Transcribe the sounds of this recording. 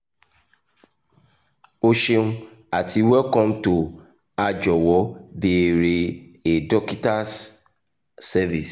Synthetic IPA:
o˦ʃe˧ũ˦ | a˨ti˨˧˦wɛ˦kɔ̃˦mto˨ | a˧d͡ʒɔ˨wɔ˨˦be˨ɾe˧e˨dɔ˦ki˦ta˦sː | ɛ˦vi˨s

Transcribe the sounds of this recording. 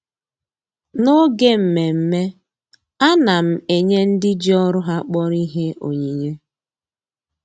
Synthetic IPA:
no˦ɡe˦m̩˨me˨m̩˦me˦ | a˦na˨m̩˨e˨ɲe˦n̩˦dɪ˦d͡ʒi˦ɔ˦ɾʊ˦ɦa˦k͡pɔ˦ɾi˦ɦe˦o̰˨ɲi˨ɲe˦

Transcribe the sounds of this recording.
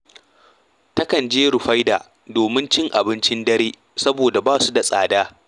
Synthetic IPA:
tɐ˦kɐ˨nd͡ʒeː˦ɾʊ˨ɸa˦jda̰ː˨ | doː˨mɪ˦nt͡ʃɪ˦ŋʔa˨bɪ˦nt͡ʃɪ˦ndɐ˦ɾeː˦ | sɐ˦boː˨da˨baː˦su˦da˨sʼa̰ː˨daː˦

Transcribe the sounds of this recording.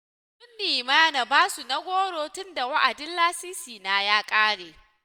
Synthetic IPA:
sʊ˦nːiː˨ma˦ja˦na˨baː˦su˨na˦ɡʷoː˦ɽoː˦tʊ˦nda˨wa˦ʔa˨dɪ˦nlaː˦siː˦siː˨naː˦jaː˦kʼaː˦ɽeː˨

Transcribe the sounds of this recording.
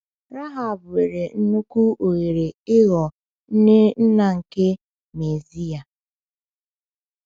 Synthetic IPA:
ɾa˦ɦa˨bwe˨ɾe˨n̩˦nu˦ku˦ʔo˨ɣe˨ɾe˨ɪ˦ɣɔ˨ | n̩˦nɪ˦n̩˦na˨ŋ̩˨kɪ˦ | me˨zi˦a˨

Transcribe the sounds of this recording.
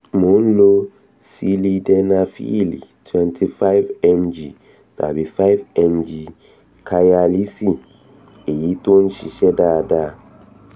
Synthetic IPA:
mo˨˦n˦lo˦ | si˦li˧dɛ˧na˧fḭ˦lḭ˨tʰwɛ̃˦ntʰi˦fa˦jvɛ̃˧nd͡ʒi˨ | ta̰˨bi˨fa˦jvɛ̃˧nd͡ʒi˨ | kʰa˧ja˧li˦si˦ | e˨ji˦to˦nʃi˨ʃɛ˦da˦da˦˨

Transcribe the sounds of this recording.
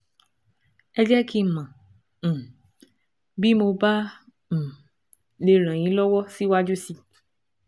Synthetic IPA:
ɛ˧d͡ʒɛ˦ki˦˨mã˨ | bi˦mo˧bã˦˨ | le˧ɾ̃ã˨j̃ĩ˨˦lɔ˦wɔ˦si˦wa˦d͡ʒu˦si˧

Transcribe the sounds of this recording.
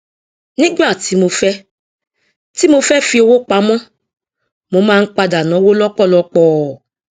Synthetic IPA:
nĩ˦ɡ͡ba˦˨ti˨˦mo˧fɛ˦ | ti˦mo˧fɛ˦fi˧˦o˧wo˦k͡pa˨mɔ̃˦ | mo˧˦mãː˦n̩˦k͡pa˧da˨nɔ̃˨˦wo˦lɔ˦kɔ˦˨lɔ˧k͡pɔː˦˨

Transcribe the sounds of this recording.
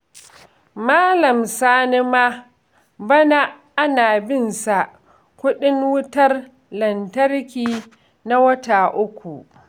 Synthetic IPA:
maː˦lɐ˨msaː˦nɪ˦maː˦ | bɐ˦na˦ | ʔa˦naː˨bɪ˦˨nsa˨ʔ | kʷʊ˦ɗɪ˦ŋwʊ˦tɐ˦r | lɐ˨ntɐ˦rkʲiː˦ | na˦wɐ˦taː˨ʔʊ˦kʷu˨ʔ

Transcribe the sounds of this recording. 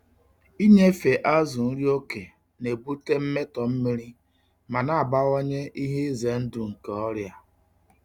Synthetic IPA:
i˦ɲe˦fe˨ʔa˦zʊ˨n̩˦ɾi˦o˦ke˨ | ne˨bu˦te˦m̩˦me˦tɔ˨m̩˦mi˦ɾi˦ | ma˨na˨a˨ba˦ɣɔ˦ɲe˦ʔi˦ɦe˦ze˨n̩˦du˨ŋ̩˨ka˨ɔ˦ɾja˦

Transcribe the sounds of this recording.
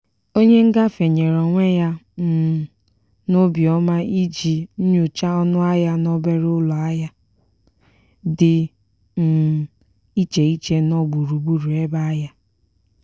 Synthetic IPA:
o˦ɲe˦ŋ̩˦ɡa˦fe˨ɲe˨ɾɔ˨ŋʷe˦ja˦˨ | nʊ˦bjɔ˦ma˦i˦d͡ʒi˨n̩˦ɲu˨t͡ʃa˦ɔ˦nʊ˦a˦ja˦nɔ˦be˦ɾʊ˦lɔ˨a˦ja˦ | dɪ˨ | m̩˨ | i˦t͡ʃe˨i˦t͡ʃe˦nɔ˦ɡ͡bu˨ɾu˨bu˦ɾu˨e˦ba˦a˦ja˦

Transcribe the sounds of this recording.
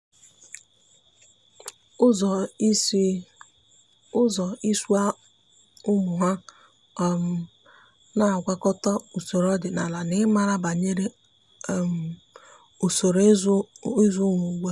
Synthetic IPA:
ʊ˦z | ʊ˦zɔ˨i˦su˦a˦ | ʊ˦mʊ˨ɦa˦˨ | m˨ | na˦˨ɡʷa˦kɔ˦tɔ˦u˨so˨ɾɔ˦dɪ˨na˨la˨nɪ˦ma˦ɾa˦ba˨ɲe˦ɾe˦˨ | m˨ | o˨so˨ɾi˦zu˦ŋʷu˨ɡʷe˦

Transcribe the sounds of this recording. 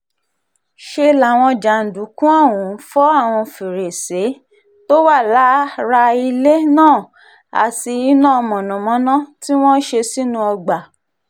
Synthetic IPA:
ʃe˧la˨w̃ɔ̃˧d͡ʒa˨n̩˨du˨˦kũ˦a˦˨wũ˨˦fɔ˦a˦˨w̃ɔ̃˧fi˨ɾe˨se˨˦ | to˦wa˦˨la˨˦ɾa˧i˧le˦nãː˦˨ | a̰˨ti˧i˨˦nãː˦˨˧mɔ̃˨nɔ̃˨mɔ̃˨˦nã˦ti˦w̃ɔ̃˦ʃe˧si˦nũ˧ɔ˧ɡ͡ba˨

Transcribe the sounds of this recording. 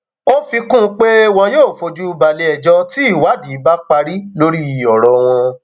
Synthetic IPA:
o˦fi˧kũ˦˧k͡pe˦w̃ɔ̃˧joː˦˨fo˧d͡ʒu˦˧˦ba˨le˧ɛ˨d͡ʒɔ˧ti˦i˦˨wa˨˦di˨˦ba˦k͡pa˧ɾi˦lo˦ɾi˦i˨ɔ˨ɾɔ˨w̃ɔ̃˧

